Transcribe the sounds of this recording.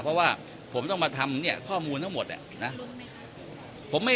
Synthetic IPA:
pʰɾɔ˦˥waː˥˩ | pʰo˩˦mt̪ɔ˥˩ŋmaː˧t̪ʰa˧mni˥˩ɐkʰɔː˥˩muː˧nt̪ʰa˥ŋmo˨˩t̪̚ʔa̰˨˩na˦˥ | pʰo˩˦mːa˥˩

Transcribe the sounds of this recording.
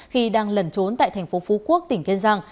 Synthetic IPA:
xi˧ɗaː˧ŋlə˨˩nt͡ɕo˨˦nt̪a̰ː˧˨jt̪ʰjŋ̟fo˨˦fu˨˦ku˦˥ək̚t̪ï˧˩ŋ̟ki˧nzaː˧ŋ

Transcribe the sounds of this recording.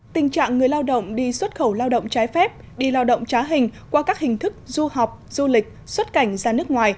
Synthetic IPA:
t̪ï˨˩ŋ̟t͡ɕa̰ː˧˨ŋŋɨ˨˩əjlaː˧wɗə̰˧˨wŋ͡mɗi˧swə˦˥t̚xə˧˩wlaː˧wɗə̰˧˨wŋ͡mt͡ɕaː˨˦jfɛ˦˥p̚ | ɗi˧laː˧wɗə̰˧˨wŋ͡mt͡ɕaː˨˦ɦï˨˩ŋ̟kwaː˧kaː˦˥k̚hï˨˩ŋ̟t̪ʰɨ˦˥k̚zu˧ha˨˩wk͡p̚z̥u˧lï˨˩k̟̚swə˦˥t̚ka˧˩jŋ̟zaː˧˩nɨ˦˥ək̚ŋwaː˨˩j

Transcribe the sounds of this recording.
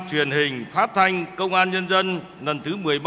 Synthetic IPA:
t͡ɕwi˨˩ənɦï˨˩ŋ̟faː˦˥t̚t̪ʰa˧jŋ̟kə˧wŋ͡mʔaː˧nɲə˧nzə˧n | lə˨˩nt̪ʰɨ˨˦mɨ˨˩əjɓ

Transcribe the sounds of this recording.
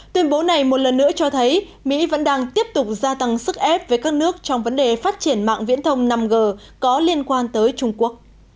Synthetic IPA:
t̪wi˧ənɓo˨˦na˨˩jmo˨˩t̚lə˨˩nːɨ̰˧˥ət͡ɕɔ˧t̪ʰə˨˦j | mḭ˧˥və̰˧˥nɗaː˧ŋt̪i˦˥əp̚t̪ʊ˨˩k͡p̚zaː˧t̪a˧ŋsɨ˦˥k̚ʔɛ˦˥p̚ve˨˩jkaː˦˥k̚nɨ˦˥ək̚t͡ɕɔ˧wŋ͡mvə˨˦nɗe˨˩faː˦˥t̚t͡ɕi˧˩ənma̰ː˧˨ŋvḭ˧˥ənt̪ʰə˧wŋ͡mna˧mɣəː˨˩ | kɔ˨˦li˧ənkwaː˧nt̪əː˨˦jt͡ɕʊ˧ŋ͡mku˦˥ək̚

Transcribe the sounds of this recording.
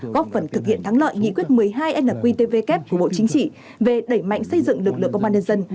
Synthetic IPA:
ɣɔ˦˥p̚fə˨˩nt̪ʰɨ˨˩k̚hḭ˧˨ənt̪ʰa˨˦ŋlə̰ː˧˨jŋḭ˧˥kwi˦˥ət̚mɨ˨˩əjɦaː˧jʔɛ˦˧lə˨˩p̚kwi˧t̪e˧ve˧kɛ˦˥p̚ku˧˩ɓo̰˧˨t͡ɕï˨˦ŋ̟t͡ɕḭ˧˨ | ve˨˩ɗə˧˩jma̰˧˨jŋ̟sə˧jzɨ̰˧˨ŋlɨ˨˩klɨ̰˧˨kːə˧wɓaː˧nɲə˧nzə˧n

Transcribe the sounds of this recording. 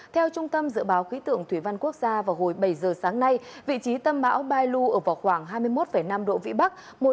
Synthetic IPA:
t̪ʰɛ˧wt͡ɕʊ˧ŋ͡mt̪ə˧mzɨ̰˧˨əɓaː˨˦wxi˨˦t̪ɨ̰˧˨əŋt̪ʰwi˧˩va˧nku˦˥ək̚zaː˧vaː˨˩wɦo˨˩jɓə˧˩jzəː˨˩saː˨˦ŋna˧jvḭ˧˨t͡ɕi˨˦t̪ə˧mɓa̰ː˧˥wɓaː˧jlu˧ʔəː˧˩vaː˨˩wxwaː˧˩ŋɦaː˧jmɨ˧əjmo˦˥t̚fə˧˩jna˧mɗo̰˧˨vḭ˧˨ɓa˦˥k̚ | mo˨˩

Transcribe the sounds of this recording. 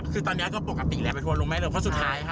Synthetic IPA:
kʰɯː˧t̪ɔː˧nːi˦˥ɐ˧˩kɔː˥˩pu˨˩ka˨˩pːiː˨˩lɛː˦˥wpa˧u˥˧loː˧mɛː˥˩lɤː˧˩pʰɔ˥su˨˩t̪̚ʰːaː˦˥jkʰa˥˩

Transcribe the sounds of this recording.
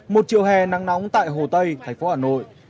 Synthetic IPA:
mo˨˩t̚t͡ɕḭ˧˨əwɦɛ˨˩na˨˦ŋna˨˦wŋ͡mt̪a̰ː˧˨jɦo˨˩t̪ə˧jt̪ʰa˨˩ŋ̟fo˨˦haː˨˩no̰˧˨j

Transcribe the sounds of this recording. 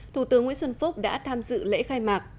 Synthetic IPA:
t̪ʰu˧˩t̪ɨ˨˦əŋwḭ˧˥nswə˧nfʊ˦˥k͡p̚ɗa̰ː˧˥t̪ʰaː˧mzɨ̰˧˨lḛ˧˥xaː˧jmaː˨˩k̚

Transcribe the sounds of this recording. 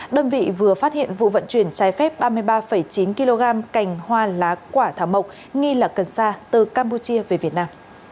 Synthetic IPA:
ɗəː˧nvḭ˧˨vɨ˨˩əfaː˦˥t̚hḭ˧˨ənvṵ˧˨və̰˧˨nt͡ɕwi˧˩ənt͡ɕaː˨˦jfɛ˦˥p̚ɓaː˧mɨ˧əjɓaː˧fə˧˩jt͡ɕi˨˦nki˧lo˧ɣaː˧mka˨˩jŋ̟hwaː˧laː˨˦kwaː˧˩t̪ʰaː˧˩wmə˨˩k͡p̚ | ŋi˧laː˨˩kə˧˩nsaː˧t̪ɨ˨˩kaː˧mpu˧t͡ɕi˧əve˨˩vi˨˩ət̚naː˧m

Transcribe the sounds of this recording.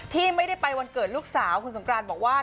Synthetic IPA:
t̪ʰiː˥˩ma˥˩jɾa˥˩jpa˧jwa˧nkɤː˨˩t̪̚luː˥˩k̚saː˩˦wkʰu˧nso˩˦mkɾaː˧nbɔː˨˩k̚waː˥˩

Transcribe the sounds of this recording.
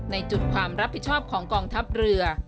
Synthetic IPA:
na˧jt͡ɕu˨˩t̪̚kʰwaː˧mɾa˦˥p̚ʰːi˨˩t̪̚t͡ɕʰɔː˥˩p̚kʰɔː˩˦ŋkɔː˧ŋt̪ʰa˦˥p̚ɾɯ˧ɐ

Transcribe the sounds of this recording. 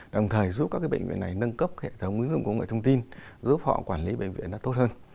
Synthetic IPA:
ɗə˨˩wŋ͡mt̪ʰəː˨˩jzu˦˥p̚kaː˦˥kaː˨˦jɓə˧˨ŋ̟vḭ˧˨ə˨nːa˨˩jnə˧nkə˦˥p̚xe˧˩˨t̪ʰə˨˦wŋ͡mŋwi˨˦əŋzɨ˧˨ŋkŋ˨˩əjt̪ʰə˧ŋ͡mt̪i˧nzɨ˦˥p̚hɔ̰˧˨kwaː˧˩nli˨˦ɓə̰˧˨ŋ̟vḭ˧˨ənɗa̰ː˧˥t̪o˦˥t̚həː˧n

